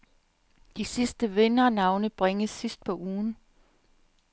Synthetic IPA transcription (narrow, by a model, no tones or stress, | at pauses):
d̥isisd̥əʋe̝nɐnɑ̈ʊnəb̥ʁeŋəssisd̥̚pʰɒ̽ʔuːn